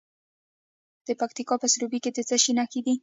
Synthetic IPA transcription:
d̪̥əpak̚t̪ikɑpəsɾubiked̪ət͡saʃinakid̪i

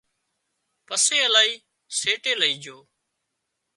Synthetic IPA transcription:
pəseːəlaːiː | seːʈeːləiːd͡ʒʱoː

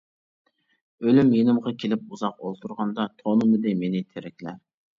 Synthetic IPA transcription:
ølymjenɪmʁɑkʲʰelɪp̚uzɑqolˠt̪ʰuɾʁɑnd̪ɑt̪ʰonɨmɨd̪ɪmenɪt̪ʰeɾɪkʲlɛ

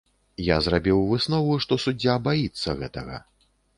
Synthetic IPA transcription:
jazrabʲiwvɨsnɔvuʂt̪ɔsudd͡zʲːabajit̪sːɐɣɛ̰t̪ɐɣɐ̰

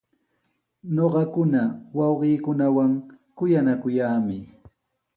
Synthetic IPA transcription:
ɲoɢɑkʊnawɑwɢiːkʊnawaŋ | kʊjanakʊjaːmɪ

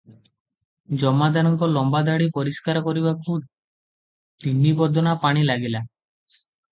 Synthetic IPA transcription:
d͡ʒɔmad̪anɔŋkɔlɔmbad̪aɽipɔɾiskaɾɔkɔɾibakud | t̪inːibɔd̪ʱɔnapaɽ̃ilaɡila

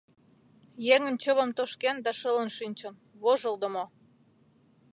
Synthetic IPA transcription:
jeŋə̆nt͡ɕəβə̆mt̪oʃkend̪ɑʃələnʃynʲt͡ɕən | βoʒə̆ld̪əmo

